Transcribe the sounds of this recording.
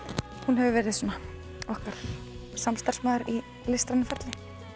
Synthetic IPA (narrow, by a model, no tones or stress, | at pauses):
hunɦɛvʏvɛːɾɪðsɔːna | ɔhkaɾ̥ | samst̪ar̥smaðʏɾi | lɪst̪ɾanɪfɛɾt̪lɪ